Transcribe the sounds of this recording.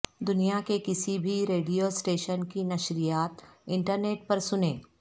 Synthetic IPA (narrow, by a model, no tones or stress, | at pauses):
d̪ʊnijakekɪsibʱiɾeːɖijosʈeːʃənkinɐʃɾijaːt̪ɪ̃ɳʈəɾneːʈ̚pɐɾsʊnẽː